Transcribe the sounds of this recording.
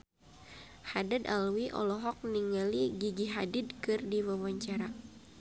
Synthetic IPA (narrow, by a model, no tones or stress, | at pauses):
hadada̰lwiʔɔ̰lɔɦɔk̚niŋaliɡiɡiɦadidkɨrdiwawaɲt͡ʃaɾa